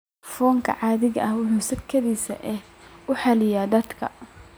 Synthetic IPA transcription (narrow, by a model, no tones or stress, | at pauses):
fɔːŋkʰɐ̰ʕɑːðɪɣɐʔɐhwʊħuːsɐkʰːɐðiːsɐ̰ʔɛh | ʊħɛlɪjaːd̪ɐd̪kʰɐ̰